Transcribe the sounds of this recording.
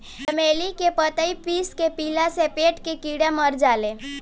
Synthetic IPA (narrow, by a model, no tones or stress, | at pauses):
əmelikepət̪əipiskepilasepeʈkekiɽeməɾd͡ʒale